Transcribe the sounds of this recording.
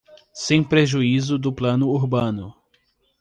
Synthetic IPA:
sẽj̃pɾeʒuizʊd̪ʊplɐ̃nʊuɾbɐ̃nʊ

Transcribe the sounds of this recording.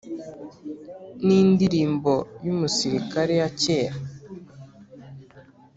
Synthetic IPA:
niːndiɾiːmbo̞jumusiɾikaɾe̞jace̞ɾa

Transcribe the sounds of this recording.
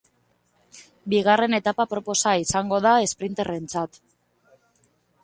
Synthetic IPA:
biɣare̞ne̞t̪apapɾo̞po̞saisaŋɡo̞ðae̞spɾint̪e̞re̞nt͡sat̪

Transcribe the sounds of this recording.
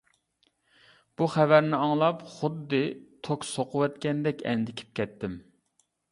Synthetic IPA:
b̥uχɛvæɾnɪɑŋlˠɑpχʊd̪ːɨt̪ʰokʲsoqʰʊwɛt̪kʲɛnd̪ɛkʲɛ̰nd̪ɪkʲʰi̥p̚kʲʰɛt̪ʰːɪm

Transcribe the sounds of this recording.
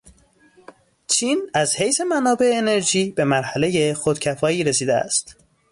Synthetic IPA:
t͡ʃʰiːnæzhe̞jse̞mænɒːbe̞eːne̞ɾʒiːbe̞mæɾhæle̞je̞xod̪̥cʰæfɒːiːɾesiːd̪eæ̰st̪

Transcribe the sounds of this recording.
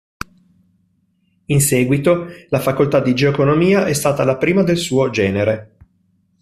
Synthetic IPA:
insɛːɡwit̪olafakolt̪ad̪id͡ʒeoekonomiːaʔɛst̪aːt̪alapɾiːmad̪elsuːod͡ʒɛːneɾe

